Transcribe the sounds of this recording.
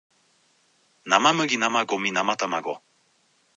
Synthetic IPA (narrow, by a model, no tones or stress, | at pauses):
namamɯ̟ɡʲinamaɡominamat̪amaɡo